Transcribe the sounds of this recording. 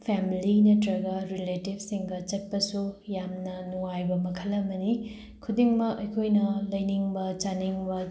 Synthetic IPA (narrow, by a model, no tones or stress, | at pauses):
pʰemilinɐtɾɐɡɐɾiletib̚siŋɡɐt͡ʃɐt̚pɐsujamnɐnuŋajbɐmɐkʰɐlːɐmɐni | kʰudiŋmɐkɐjkʰojnɐlɐjniŋbɐt͡ʃaniŋbɐ